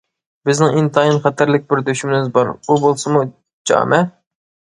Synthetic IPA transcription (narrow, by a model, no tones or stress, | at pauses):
bɪznɪŋint̪ʰɑinχɛt̪ʰæɾlɪk̚ʲbɪɾd̪øʃymɪnɪmɪzbɑɾubolˠsɨmu | d͡ʒɑ̰ːmɛ